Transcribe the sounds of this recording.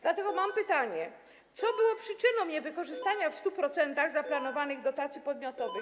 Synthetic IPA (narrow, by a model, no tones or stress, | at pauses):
d̪lat̪ɛɡɔmampɘt̪aɲɛ | t̪sɔbɘwɔpʂɘt͡ʂɘnɔ̃w̃ɲɛvɘkɔʐɘst̪aɲafst̪upɾɔt̪sɛnt̪aɣzaplanɔvanɘɣd̪ɔt̪at̪sʲjipɔd̪mjɔt̪ɔvɘx